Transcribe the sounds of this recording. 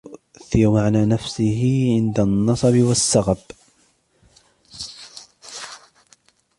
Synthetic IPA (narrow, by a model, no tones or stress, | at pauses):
θijamaʕnaːnafsɪɦɪʕɪnd̪anːɑsˤɑbɪwasːaɣab